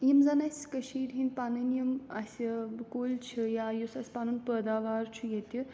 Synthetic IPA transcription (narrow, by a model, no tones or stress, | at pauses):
jimzɐnɐsʲkəʃiːdʲɦinʲpanɐnjimɐsʲbkoːlʲt͡ʃʰijajusɐsʲpanɨnpəːd̪aːʋaːɾt͡ʃʰujet̪i